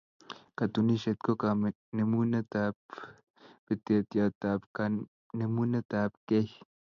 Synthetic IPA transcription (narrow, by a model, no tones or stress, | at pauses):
kat̪uniʃet̪̚kokame | nemunat̪ap̚ | pit̪et̪jat̪apka | nemunat̪apkeh